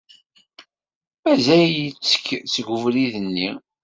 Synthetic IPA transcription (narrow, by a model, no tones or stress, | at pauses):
mæzæjit͡sːə̥kːt͡sːɡʷʊvliðənːi